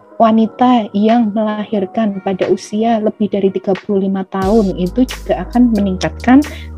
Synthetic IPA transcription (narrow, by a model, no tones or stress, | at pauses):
wanit̪ajaŋməlahɪrkanpadaʔusialəb̥ɪhdaɾit̪iɡ̥apuluhlimat̪aʊnit̪ud͡ʒuɡ̥aakanməniŋkat̪̚kan